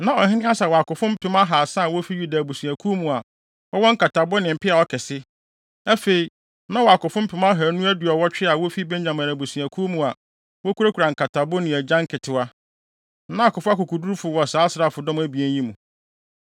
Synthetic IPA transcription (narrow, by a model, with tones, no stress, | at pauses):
nã˨ɔ˨hɪ˦nɪ̃˦a˦sɛ˨wɔ˨a˨kʊ˨fʊ̃˦m̩˦pʰɪ˦ma˦ɦa˨sa˦˨wɔ˦fi˦ɥu˦da˨bu˨sũ˨æ˨kʰu˦mũ˨a˨ | ɔ˦wɔ̃˦ŋ̩˦kʰa˨tʰa˨bʊ˦nɪ̃˨m̩˨pʰɪ˦a˨ɔ˦kʰɛ˨sɪ˦ | æ˦fe˨i˨ | nã˦wɔ˨a˨kʊ˨fʊ̃˦m̩˦pʰɪ˨˦ma˦ɦa˨nũ˦æ˦du˨ɔ˨wɔ˦t͡ɕᶣɪ˦a˨wɔ˦fi˦bæ̃˦ɲd͡ʑã˨mã˨næ˨bu˨sũ˨æ˨kʰu˦mũ˨a˨ | wɔ˦kʰu˦ɾa˦kʰu˨ɾa˨ŋ̩˨kʰa˨tʰa˨bʊ˦nɪ̃˨æ˨d͡ʑã˦ŋkʰɪ˨tʰɪ˨wa˦ | nã˦a˨kʊ˨fʊ˦a˦kʊ˨kʰu˨du˦ɾfʊ˨wɔ˨saː˨˦sɾa˦˨fʊ˨dɔ̃˦m˦æ˦bi˨æ˦n˦ĩ˦mũ˨